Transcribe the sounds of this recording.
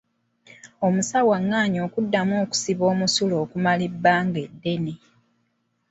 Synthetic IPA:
o̞musawaŋːaːɲoːkudːamoːku̥siβo̞ːmusulo̞ːkumalibːaːŋɡe̞dːe̞ne

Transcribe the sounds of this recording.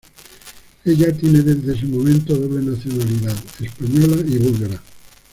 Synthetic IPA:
eʎat̪jeneðezðees̬emõmẽnt̪oðoβlenaθjonaliðaðespaɲolaiβulɣaɾa

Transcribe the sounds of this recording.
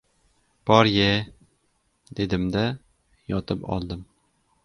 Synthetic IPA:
b̥ɒɾje | d̪ed̪ɪmd̪æ | jɒt̪ʰɨpɒ̰lˠd̪ɨm

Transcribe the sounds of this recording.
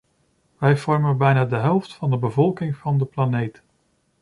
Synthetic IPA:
ʋɛjv̥ɔɹmənbɛjnaːdəɦɛlˠftfɑndəbəvɔlˠkɪŋvɑndəplanejt

